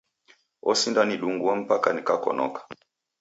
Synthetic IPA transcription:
ɔsindaniɗuŋɡuam̩pakanikakɔ̰nɔ̰kḁ

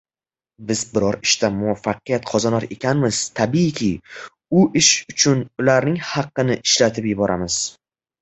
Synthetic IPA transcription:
bɪzbɪɾɒɾɪʃt̪amʊwafːɑqɨjat̪qʰɒzanɒɾe̞kʲʰanmɪz̥t̪ʰabikʲʰɪ | ʊʔɪʃʊt͡ʃʰʊnʊlaɾnɪŋhɑqːɨnɪʔɪʃlat̪ʰɪpjɪbɒɾʔamɪz̥

